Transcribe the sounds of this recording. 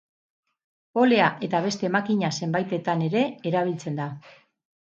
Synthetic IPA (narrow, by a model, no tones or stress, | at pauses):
o̞le̞aʔe̞t̪aβe̞st̪e̞ːmakiɲase̞mbajt̪e̞t̪ane̞ɾe̞ːɾaβ̞ilt͡se̞nd̪a